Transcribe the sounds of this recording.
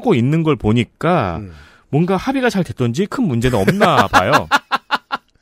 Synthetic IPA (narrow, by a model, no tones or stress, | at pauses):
ɡoinːɯnɡʌɭpoɲik͈a | mwʌnɡahabiɡat͡ɕaɭde̞t̚t͈ʌnd͡ʑikʰɯnmund͡ʑe̞nɯnʌmnaba̰jo